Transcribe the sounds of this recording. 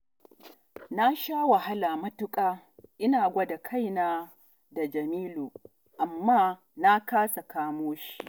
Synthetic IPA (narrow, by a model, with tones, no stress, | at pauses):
na˦ʃaː˦wɐ˨ɦa˦laː˨mɐ˦tʊ˦kʼaː˦ | ʔɪ˦naː˨ɡʷɐ˦da˨kʰa˦˨jnaː˦ | da˨d͡ʒɐ˨miː˦loː˨ | ʔa˨mːaː˦ | na˦kaː˦sa˨kaː˦moː˦ʃi̥˦ʔ